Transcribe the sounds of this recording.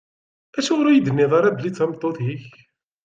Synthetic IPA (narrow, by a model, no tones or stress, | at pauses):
æʃʊʁɾujid̪ənːɪðˤɑɾˤɑd̪lit͡sːæmt̪ˤːoθˤjiç